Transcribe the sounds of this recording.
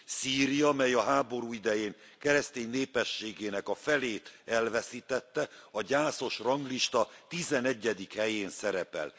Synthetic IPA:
siːɾijɒmɛjɒɦaːbo̞ɾuːid̪ɛjeːŋ | kɛɾɛst̪eːɲnːeːpɛʃːeːɡeːnɛkɒfɛleːt̪ɛlvɛsit̪ɛt̪ːɛɒɟaːso̞ʃrɒŋɡliʃt̪ɒt̪izɛnɛɟːɛd̪ikhɛjeːnsɛɾɛpɛ̰l

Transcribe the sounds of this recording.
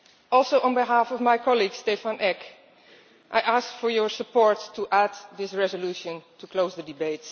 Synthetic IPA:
ɔlˠsoʊə̃nbiɦafɔvmajkɑliɡstɛfãnʔɛk | ʔajʔaskfɔɹjəɹsəpɔɹtʰːuʔædðɪsɹɛzəluʃə̃ntʰukloʊzðədɨbeɪt

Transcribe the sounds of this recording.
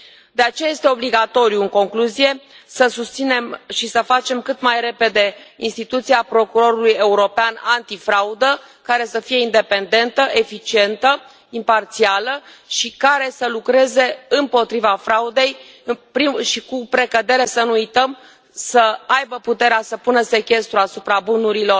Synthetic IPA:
d̪eat͡ʃe̞jajest̪e̞o̞bliɡat̪o̞ɾjuɨŋko̞ŋkluzije̞səsust̪sine̞mʃisəfat͡ʃe̞mkɨt̪majɾe̞pe̞d̪e̞ḭnst̪it̪ut̪siapɾo̞kuɾo̞ɾuluje̞uɾo̞peanant̪ifɾaud̪ə | kaɾe̞səfije̞ind̪e̞pe̞nd̪e̞nt̪əʔe̞fit͡ʃie̞nt̪ə | impart̪sialəʃikaɾe̞səlukɾe̞ze̞ɨmpo̞t̪ɾivafɾaud̪e̞j | pɾiʃikupɾe̞kəd̪e̞ɾe̞sənuujt̪əm | səajbəput̪e̞ɾeasəpunəse̞kʲe̞st̪ɾuasupɾabunuɾilo̞r

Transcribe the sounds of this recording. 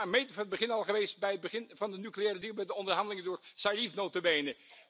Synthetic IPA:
mejtvɑnəd̚bəχɪnɑlˠχəʋejstbɛjɦəd̚bəχɪnvɑndənyklijɛːrədiːlˠbɛjdəɔndəɹɦɑndəlɪŋəndʊːɹsalifnowtəbejnə

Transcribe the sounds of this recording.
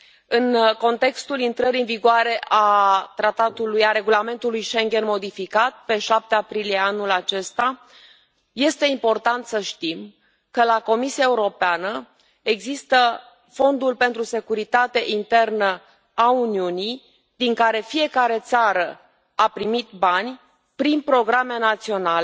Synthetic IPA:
ɨnko̞nt̪e̞kst̪ulint̪ɾəɾiɨnviɡoaɾe̞ʔat̪ɾat̪at̪ulujaɾe̞ɡulame̞nt̪ulujʃe̞ŋɡʲe̞nmo̞d̪ifikat̪̚pe̞ʃap̚t̪eapɾilije̞anulat͡ʃe̞st̪a | je̞st̪e̞impo̞rt̪ant̪səʃt̪im | kəlako̞misiaeuɾo̞peanə | e̞ɡzist̪ə | fo̞nd̪ulpe̞nt̪ɾuse̞kuɾit̪at̪e̞ʔint̪e̞rnə | auniunij | d̪iŋkaɾe̞fie̞kaɾe̞t̪saɾə | apɾimit̪banʲ | pɾinpɾo̞ɡɾame̞nat̪sio̞nale

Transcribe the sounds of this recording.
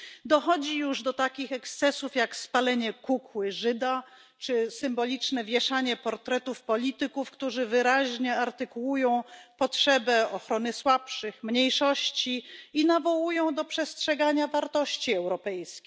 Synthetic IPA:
d̪ɔxɔd͡ʑijuʐd̪ɔt̪akʲixɛkst̪sɛsufjakspalɛɲɛkukwɘʐɘd̪a | t͡ʂɘsɘmbɔlʲit͡ʂnɛvʲjɛʂaɲɛpɔɾt̪ɾɛt̪ufpɔlʲit̪ɘkufkt̪uʐɘvɘɾaʑɲɛaɾt̪ɘkuwujɔ̃w̃pɔtʂɛbɛɔxɾɔnɘswapʂɘxmɲejʂɔɕt͡ɕiinavɔwujɔ̃w̃d̪ɔpʂɛstʂɛɡaɲavaɾt̪ɔɕt͡ɕiɛwɾɔpɛjskʲ

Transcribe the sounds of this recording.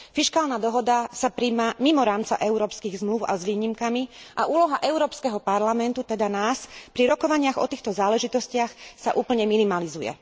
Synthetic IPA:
fiʃkaːlnad̪ɔɦɔd̪asapɾimamimɔɾaːmt͡sa̰ʔɛʊɾɔːpskiːɣzmluʊa̰zʋiːɲimkamiʔaʔuːlɔɦaʔɛʊɾɔːpskɛɦɔpaɾlamɛnt̪ut̪ɛd̪anaːspɾiɾɔkɔʋaɲɪaɣɔ̰t̪iːxt̪ɔzaːlɛʒit̪ɔscɪaxsa̰ʔuːpl̩ɲɛminimalizujɛ̰

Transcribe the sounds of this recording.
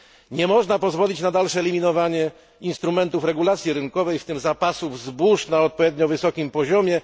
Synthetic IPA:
ɲɛmɔʐnapɔzvɔlʲit͡ɕnad̪alʂɛɛlʲimʲinɔvaɲɛ | inst̪ɾumɛnt̪ufɾɛɡulat̪sʲjiɾɘŋkɔvɛjft̪ɘmzapasuvzbuʂnaɔt̪̚pɔvʲjɛd̪ɲɔvɘsɔkʲimpɔʑɔmʲjɛ

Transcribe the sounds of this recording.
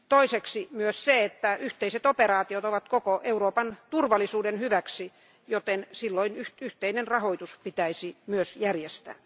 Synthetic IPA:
t̪oiseksimyøsseet̪ːæyht̪eiset̪operɑːt̪iot̪oʋɑt̪kokoʔeuɾoːpɑnt̪urʋɑlisuːdenhyʋæksi | jot̪ensilːoinyht̪yht̪einenrɑhoit̪uspit̪æisimyøsjærjest̪æ̰ː

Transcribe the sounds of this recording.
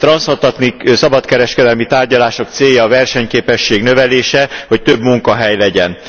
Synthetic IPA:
t̪rɒnsot̪ɒt̪niksɒbɒt̪kɛɾɛʃkɛd̪ɛlmit̪aːrɟɒlaːʃo̞kt̪seːjːɒːvɛrʃɛɲkeːpɛʃːeːɡnø̞vɛleːʃɛho̞ct̪øbmuŋkɒɦɛjlɛɟɛn

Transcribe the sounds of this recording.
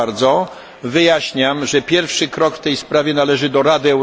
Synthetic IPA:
ɾd̪zɔ | vɘjaɕɲamʐɛpʲjɛɾfʂɘkɾɔkft̪ɛjspɾavʲjɛnalɛʐɘd̪ɔɾad̪ɘɛw

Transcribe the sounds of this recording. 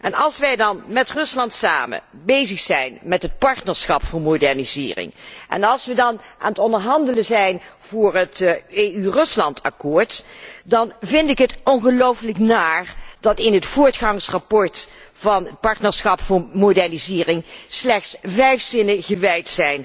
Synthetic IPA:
ʔɛnɑlˠsʋɛjdɑnmɛtrɵslɑntsa̰ːmə̰bejzəxsɛjnmɛtɦət̚pɑɹtnəɹsxɑpfʊːɹmodɛɹnizɪ̰ːrɪ̰ŋʔɛ̰nɑlˠsʋədɑnʔa̰ːnətɔndəɹɦɑndələzɛjnv̥ʊːrəteːyrɵslɑntʰɑ̰kʊːɹtdɑnvɪndɪkɦətɔnɣəlowfləknaːrdɑtɪnɦətfʊːɹtχɑŋsrapɔɹt | vɑnət̚pɑɹtnəɹsxɑpfʊːɹmodɛɹnizɪːrɪŋslɛxtsvɛjfsɪnəɣəʋɛjtsɛjn

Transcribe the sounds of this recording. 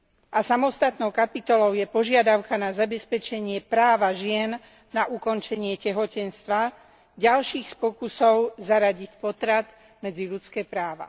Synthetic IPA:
ʔasamɔst̪at̪nɔʊkapit̪ɔlɔʊjɛpɔʒɪad̪aʊkanazabɛspɛt͡ʃɛɲɪɛpɾaːʋaʒɪɛnː | aʔukɔnt͡ʃɛɲɪɛcɛɦɔcɛnst̪ʋa | ɟalʃiːxspɔkusɔʊzaɾaɟicpɔt̪ɾat̪ | mɛd͡ziʎut͡skɛːpɾaːʋa̰

